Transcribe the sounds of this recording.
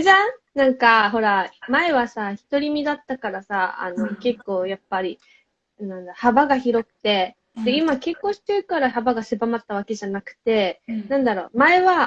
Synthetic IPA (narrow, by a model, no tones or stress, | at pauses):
ʑãnãŋkaɦo̞ɾamae̞βasaçi̥t̪o̞ɾʲimʲid̪at̪ːakaɾasaa̰no̞ke̞kːo̞ːjapːaɾʲi | nãnd̪aɾohabaɡaçiɾo̞kɯ̟̥t̪e̞ | d̪eimake̞kːo̞ːɕi̥t̪eɯ̟kaɾahabaɡasebamat̪ːaβ̞ake̞ʑanakɯ̟̥t̪e̞nãnd̪aɾo̞̰ːmae̞βa